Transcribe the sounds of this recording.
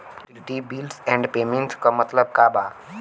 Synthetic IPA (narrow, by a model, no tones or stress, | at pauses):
ʈibilɖsɛ̃ɳɖpeːmẽɳʈskomɐt̪ləb̚kabaː